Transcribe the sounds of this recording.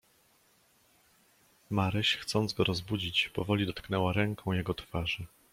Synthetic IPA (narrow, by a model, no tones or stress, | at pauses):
maɾɘɕxt̪sɔnd̪zɡɔɾɔzbud͡ʑit͡ɕpɔvɔlʲid̪ɔt̪knɛwaɾɛŋkʰɔ̃w̃jɛɡɔt̪faʐɘ